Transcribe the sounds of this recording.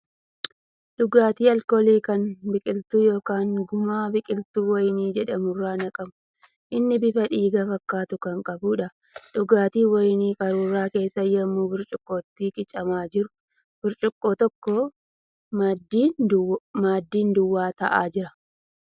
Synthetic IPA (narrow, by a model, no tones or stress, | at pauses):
ᶑʊɡaːt̪iːɐlkoːliːkɐnbɪkʼɪlt̪uːjo̞ːkaːŋɡʊmaːbɪkʼɪlt̪uːwɐjniːd͡ʒɛᶑɐmʊrːaːnɐkʼɐmʊ̥ | ʔɪnːɪbɪfɐᶑiːɡɐfɐkːaːt̪ʊkɐŋkʼɐbʊᶑɐ | ᶑʊɡaːt̪iːwɐjniːkʼɐɾuːrːaːke̞ːsːɐjɐmːuːbɪɾt͡ʃʼʊkʼːoːt̪ːiːkɪt͡ʃʼɐmaːd͡ʒɪɾʊ̥ | b̥ɪɾt͡ʃʼʊkʼːoːt̪ɔkːoː | d̪ː | maːd̪ːiːnd̪ʊwːaːt̪ɐʔa̰ːd͡ʒɪɾɐ